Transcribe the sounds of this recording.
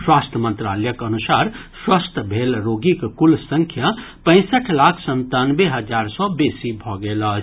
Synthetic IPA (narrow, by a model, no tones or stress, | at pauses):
swast̪ʰəmə̃nt̪ɾaljəkənusaɾswast̪ʰəbʱelɾoɡikkulsə̃ŋkʰja | pə̃ɪ̃səʈʰlakʰsənt̪anbeɦəd͡ʒaɾsɔbesibʱɔɡelə